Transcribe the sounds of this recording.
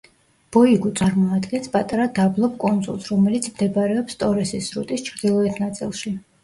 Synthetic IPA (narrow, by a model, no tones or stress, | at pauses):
b̥ɔiɡut̪sʼaɾmɔad̪ɡɛnspʼat̪ʼaɾad̪ablˠɔp̚ʰkʼund̪zṵlˠsɾɔmɛlit̪sʰmd̪ɛbaɾɛɔpst̪ʼɔɾɛsisɾṵt̪ʼist͡ʃʰɾd̪ilˠɔɛt̪ʰnat̪sʼilˠʃi